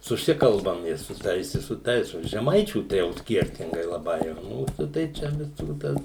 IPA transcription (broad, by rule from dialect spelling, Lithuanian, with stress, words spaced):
sʊˈsʲɪkɐlˠbɐm ɪ sʊ ˈtɐɪs ɪ sʊ ˈtɐɪs oː ʒʲɛˈmɐɪt͡ʃʲuː tɐɪ ˈjɛʊ ˈsʲkʲiɛrʲtʲɪŋɡɐɪ lˠɐˈbɐɪ ˈmuːsʊ tɐɪ ˈt͡ʃʲɛ ʋʲɪˈsuː ˈtɐs